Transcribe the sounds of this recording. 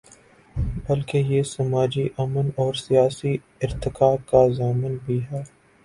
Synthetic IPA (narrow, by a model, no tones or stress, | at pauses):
bɐlkejesɐmaːd͡ʒiʔɐmənɔːɾsijaːsi | ɪɾt̪ɪkaːkazaːmənbʱiɦɛː